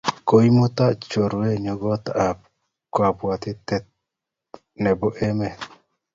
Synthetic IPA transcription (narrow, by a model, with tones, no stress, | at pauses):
ko˦i˦mʊ˦t̪a˦t͡ʃo˨ɾwwe˦ɲo˦ɡɔ˦t̪a˨ | kwa˨bwa˨t̪ɪ˦t̪ɛ˦t̪̚ | nɛ˨bo˦ʔɛ˦mɛ˨